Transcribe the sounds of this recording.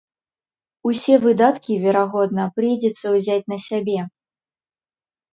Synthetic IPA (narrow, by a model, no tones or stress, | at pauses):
usʲɛvɨd̪at̪kʲivʲɛɾaɣɔd̪nɐpɾɨjd͡zʲɛt̪sːɐwzʲat͡sʲnɐsʲabʲɛ